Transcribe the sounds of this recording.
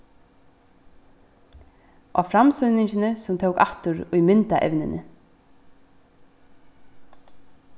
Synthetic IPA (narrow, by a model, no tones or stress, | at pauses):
ʔɔfɾamsʏnɪɲt͡ʃɪnɪsʊmt̪ʰowka̰ht̪ʊɾʊjmɪnt̪aʔɛ̰ʋnɪnɪ